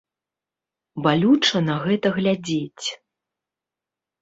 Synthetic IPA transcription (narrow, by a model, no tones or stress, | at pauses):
balʲut͡ʂɐnɐɣɛt̪ɐɣlʲad͡zʲet͡sʲ